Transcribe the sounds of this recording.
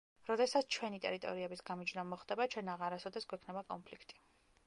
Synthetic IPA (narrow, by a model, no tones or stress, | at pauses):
ɾɔd̪ɛsat̪sʰt͡ʃʰwɛnit̪ʼɛ̰ɾit̪ʼɔ̰ɾiɛbisɡamid͡ʒnɔmɔχd̪ɛbat͡ʃʰɛnaʁaɾasɔd̪ɛsɡwɛkʰnɛbakʼɔnmpʰlikʰt̪ʼi̥